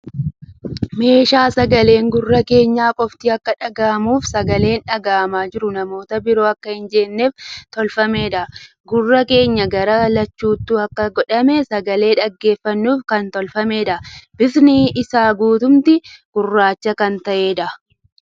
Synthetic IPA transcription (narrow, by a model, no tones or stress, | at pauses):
me̞ːʃaːsɐɡɐle̞ːŋɡʊrːɐke̞ːɲːaːkʼɔft̪iːɐkːɐᶑɐɡaːmuːfsɐɡɐle̞ːnᶑɐɡaːɐmaːd͡ʒɪɾʊnɐmo̞ːt̪ɐbɪɾo̞ːɐkːɐhɪnd͡ʒeːnːe̞ːft̪ɔlfɐme̞ːᶑɐ | ɡʊrːɐke̞ːɲːɐɡɐɾɐlɐt͡ʃːuːt̪ːuːɐkːɐɡɔᶑɐmɛsɐɡɐle̞ːᶑɐɡːe̞ːfːɐnːuːfkɐnt̪ɔlfɐme̞ːᶑɐb̥ɪfnɪʔɪsaːɡuːt̪ʊmt̪ɪɡ̥ʊrːaːt͡ʃːɐkɐnt̪ɐʔe̞ːᶑɐ